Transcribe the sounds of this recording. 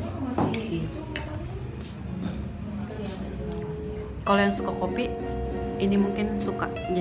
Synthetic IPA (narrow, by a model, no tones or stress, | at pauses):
kalojaŋsukakopiʔinimuŋkɪnsukaʔd͡ʒ